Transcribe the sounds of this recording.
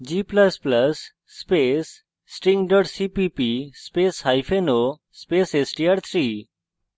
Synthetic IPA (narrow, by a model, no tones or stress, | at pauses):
d͡ʒipləspləsː | pesː | ʈĩŋɖəɾɖsipipispeshajfeno | spesesʈiaɾt̪ʰɾiː